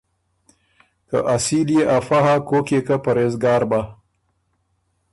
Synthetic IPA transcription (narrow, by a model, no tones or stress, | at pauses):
ka̰ʔasiljeʔafaɦakokekapɐɾezɡɑːɾba